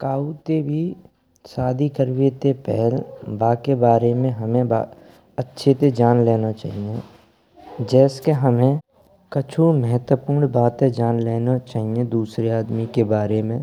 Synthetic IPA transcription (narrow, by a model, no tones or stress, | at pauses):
kaːut̪ebʱi | saːd̪ʱikəɾʋet̪epɛɦəlbaːkebaːɾemẽɦəmẽba̰ | ətːʃʰet̪ed͡ʒaːnleːnat͡ʃa̰ːɦiẽ | d͡ʒɛːskeɦəmẽ | kət͡ʃʰumɛɦət̪wəpuːɾɳbaːt̪ẽd͡ʒaːnleːnat͡ʃaːɦiẽd̪uːsɾeaːd̪mikebaːɾemẽ